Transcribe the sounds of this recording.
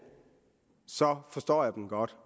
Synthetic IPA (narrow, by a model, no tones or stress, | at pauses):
sɒ̽fɒ̽sd̥ɒ̰ːjäɪd̥enɡ̥ɒd̥